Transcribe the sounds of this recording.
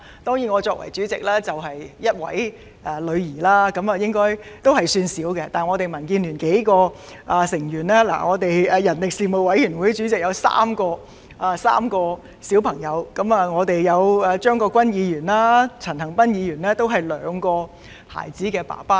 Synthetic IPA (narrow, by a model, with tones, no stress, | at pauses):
t̪ɔː˥ŋjiː˨˩ŋɔː˨˧t͡ʃɔː˧k̚wɐ̰˨˩jt͡ʃyː˨˥t͡sɪ˨k̚laː˥t͡sɐ˨wɦɐ˨jjɐ˥t̚wɐ̰˨˥j | ɛ˨˧lɵ˨˧ɥjiː˨˩laː˥kɐ˨˧˥mɐ˨˩jɪ˥ŋkɔː˥jt̪o˥whɐ˨jsyː˧nsiː˨˥wkɛ˧t̪aː˨nŋɔ˨˧t̪e˨˩jmɐ˨˩nkiː˧nlyː˨˩nke˨˥jkɔː˧ | ʔa˨sɪ˨˩ŋjyː˨˩nlɛː˥la̰˨˩ŋɔː˨˧t̪e˨jːjɐ˨˩nlɪ˨k̚siː˨mo˨˩wɐ˨˥jjyː˨˩nwuː˨˥jt͡ʃyː˨˥t͡sɪ˨k̚jɐ˨˧wsa̰ː˥mkɔː˧ | aː˨sa̰ː˥mkɔː˧ | siː˨˥wpʰɐ˨˩ŋjɐ˨˧wkɐ˨˥mɐ˨ŋɔː˨˧t̪e˨jjɐ˨˧wɐː˨t͡ʃœː˥ŋkɔː˧kʷɐ˥njiː˨˧jyː˨˩nlaː˥t͡sʰɐ˨˩nhɐ˨˩ŋpɐ˥njiː˨˧jyː˨˩nlɛː˥t̪o˥wɦɐ˨jlœː˨˧ŋkɔː˧ | ha̰ː˨˩jt͡siː˨˥kɛː˧pa̰ː˨˩paː˥